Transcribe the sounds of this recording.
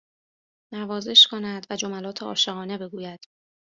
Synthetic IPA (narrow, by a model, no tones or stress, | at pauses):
nævɒːze̞ʃkʰo̞næd̪væd͡ʒo̞mælɒːt̪ʰeɒ̰ːʃe̞ɣɒːne̞be̞ɡuːjæd̪̥